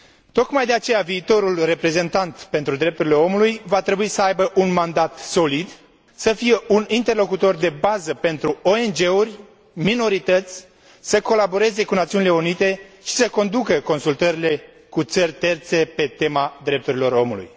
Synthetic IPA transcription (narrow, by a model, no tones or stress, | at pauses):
t̪o̞kmajd̪e̞at͡ʃe̞javiːt̪o̞ɾulre̞pɾe̞ze̞nt̪ant̪pent̪ɾud̪ɾe̞p̚t̪uɾile̞o̞mulujvat̪ɾe̞buisəajbəʔunmand̪at̪so̞lid̪ | səfije̞ʔunint̪e̞rlo̞kut̪o̞rd̪e̞bazəpe̞nt̪ɾuoend͡ʒe̞urʲ | mino̞ɾit̪ət̪sʲ | səko̞labo̞ɾe̞ze̞kunat̪siunile̞unit̪e̞ʃi̥səko̞nd̪ukəko̞nsult̪əɾile̞ | kut̪sərʲt̪e̞rt̪se̞pe̞t̪e̞mad̪ɾe̞p̚t̪uɾilo̞ɾo̞mṵlṵj